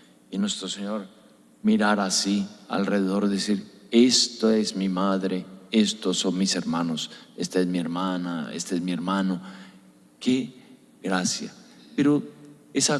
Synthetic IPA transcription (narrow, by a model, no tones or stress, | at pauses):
inwest̪ɾoseɲo̞ɾ | miɾaɾasia̰lreðeðo̞ɾðesiɾest̪oezmimaðɾeest̪osonmise̞ɾmanosest̪aezmie̞ɾmanaḛst̪aezmieɾmãno | ke | ɣɾasja̰peɾo | esa